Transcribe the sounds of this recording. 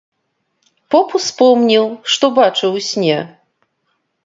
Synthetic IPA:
pɔpuspɔmnʲiwʂt̪ɔbat͡ʂɨwsʲnʲɛ

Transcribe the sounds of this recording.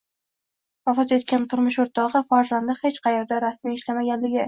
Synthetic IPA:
vafɑt̪e̞t̪kʲant̪ʰʊɾmʊʃoɾt̪ʰɒʁɨfaɾzand̪ɪhet͡ʃqʰɑjeɾd̪aɾasmiɪʃlamaɡʲanlɪɡʲɪ

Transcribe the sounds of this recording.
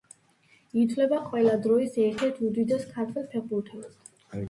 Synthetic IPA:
it̪ʰvlɛbaqʼwɛlad̪ɾɔisɛɾt̪ʰɛɾt̪ʰud̪id̪askʰaɾt̪ʰɛlˠpʰɛʁbuɾt̪ʰɛs

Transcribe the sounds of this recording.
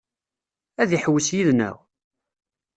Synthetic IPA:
æðiħwəsjiðnæ̰w

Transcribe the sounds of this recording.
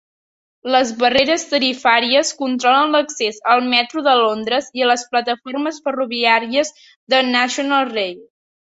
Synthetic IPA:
ləzβəreɾəst̪əɾifaɾiəskunt̪ɾɔlənləksezəlˠmɛt̪ɾuðəlond̪ɾəziələsplət̪əforməsfəruβiaɾiəz | ðənaʃunəlˠrej

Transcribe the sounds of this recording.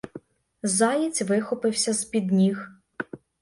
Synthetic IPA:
zɑjit͡sʲʋɪxɔpɪwsʲɐz̥pʲid̪nʲix

